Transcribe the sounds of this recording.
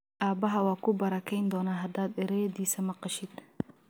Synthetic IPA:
ʔaːbɐɦɐwɑːkʰʊbɐɾɐkʰɛjnd̪ɔːnaːɦɐd̪aːd̪ɛɾɛjɐdiːsɐmɐqɑʃɪd̪

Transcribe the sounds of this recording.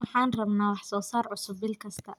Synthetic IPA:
wɑħɑːnrɐβnaːwɑħsɔːsaːrʕʊsʊbːɪlkʰɐst̪ʰɐ

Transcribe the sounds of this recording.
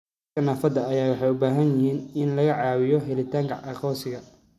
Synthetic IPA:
kɐnaːfɐd̪ɐːjaːwɑħɑjʊbaːɦɐnjɪhiːnɪnlɐɣɐʕɑːwɪjɔɦɛlɪt̪ʰaːŋkʰɐʔɑqɔːsɪɣɐ

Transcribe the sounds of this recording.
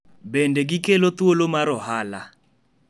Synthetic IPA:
bɛndɛɡikelɔt̪uolomaɾɔɦaːla

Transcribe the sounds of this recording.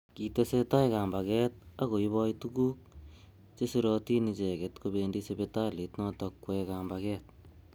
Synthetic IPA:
kitesetajkambakɛt̚akoiβɔjtukuːk̚ | t͡ʃesiɾɔtinit͡ʃɛkɛtkobendisepetalitnɔtɔkwɛkambakɛt̚

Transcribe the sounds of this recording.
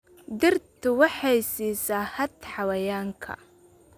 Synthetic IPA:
d̪ɪrt̪ʰʊwɑħɑjsiːsaːhɐt̪ħɑwɐjaːŋkʰɐ̰

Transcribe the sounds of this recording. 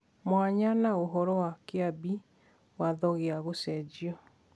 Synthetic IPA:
mwaɲanaoɦɔɾɔwakeabi | waðɔɣeaɣosɛd͡ʒiɔ

